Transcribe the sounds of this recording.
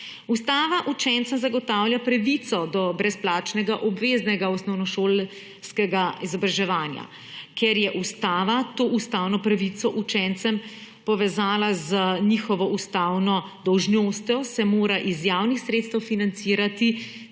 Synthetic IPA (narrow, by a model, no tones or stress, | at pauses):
ust̪aːʋaʔut͡ʃɛnt̪sɛmzaɡɔt̪awljapɾaʋit̪sɔd̪ɔbɾɛsplaːt͡ʃnɛɡaʔɔbʋeːznɛɡaɔsnɔwnɔʃoːl | skɛɡaizɔbɾaʒɛʋaːnja̰ | kɛɾjɛʔust̪aːʋat̪oːʔust̪awnɔpɾaʋit̪sɔʔut͡ʃɛnt̪sɛmpɔʋɛzaːlazənixɔʋɔʔust̪aːwnɔ | d̪ɔwʒnoːst̪jɔsɛmoːɾaʔizjaːwnixsɾeːt̪st̪əwfinant̪siːɾat̪i